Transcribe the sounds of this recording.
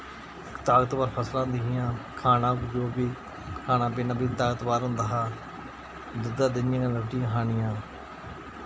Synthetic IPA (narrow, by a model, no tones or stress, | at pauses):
ɪkt̪aːɡət̪baːɾpʰəslãːnd̪ɪɦɪjãːkʰaːnãːkd͡ʒoːbiː | kʰaːnãːbɪːnãːbiːt̪aːɡət̪baːɾɦʊ̃nd̪aːɦaː | d̪ʊd̪aːd̪ɪnjãːnãːləkʰʈɪjãːɦaːɳɪjãː